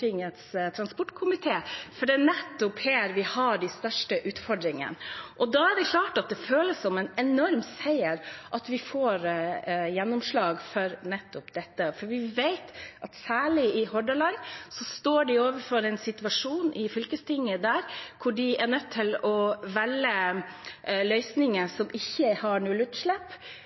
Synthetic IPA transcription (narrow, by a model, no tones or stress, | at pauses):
ɪŋət̪st̪ʰɾɑnspɔʈkʰʊmɪt̪ʰeːfɔɖɛnɛt̪ːʊpheːɾʋɪhɑɖɛst̪œʂʈəʔʉːt̪fɔɖɾɪŋə̰nʔɔd̪ɑæɖɛkʰlɑːʈɑt̪̚d̪ɛføːləssɔmɛnɛnɔɾmsæɪəɾʔɑt̪ʋɪfoːɾjɛnːʊmʂɭɑːɡfɔɾnɛt̪ːʊpd̪ɛt̪ːəfɔɾʋɪʋeɪt̪ʔɑt̪sæːɭɪɪhɔɖəlɑnsɔst̪oːɖɪoːʋəɾfɔɾɛɪnsɪt̪ʉʋɑʂuːnʔɪfʏlkəst̪ʰɪŋːəd̪æːɾkʰʊɖɪɛɳœt̪ʰːɪlɔʋɛlːə | lœʏsnɪŋəsɔmʔɪçːəhɑɳuːlʉt̪ʂɭɛpː